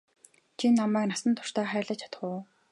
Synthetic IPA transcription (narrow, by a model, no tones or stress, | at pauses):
t͡ɕʰinːamæːknasə̆nt̪ʰʊ̥r̥t̪aːχæːɮə̆t͡ɕʰḁt̪̆χʊː